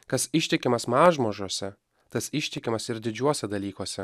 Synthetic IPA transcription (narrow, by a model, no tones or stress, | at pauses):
kɐsɪʃʲt̪ʲɪkʲɪmɐsmɑːʒmoːʒuɔsʲɛ | t̪ɐsɪʃʲt̪ʲɪkʲɪmɐsɪɾd̪ʲɪd͡ʒʲuɔsʲɛd̪ɐlʲiːkuɔsʲɛ